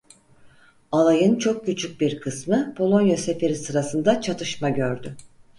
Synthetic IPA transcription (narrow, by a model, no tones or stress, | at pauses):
alˠajɯnt͡ʃʰo̞k̚cyt͡ʃʰyc̚biɾkʰɯsmɯpʰo̞lˠo̞njase̞fe̞ɾisɯɾasɯnd̪at͡ʃʰat̪ʰɯʃmaɟø̞ɾd̪y